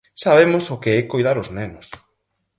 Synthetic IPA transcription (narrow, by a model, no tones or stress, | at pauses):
saβ̞emʊsʊkeɛkojðaɾʊznɛnʊs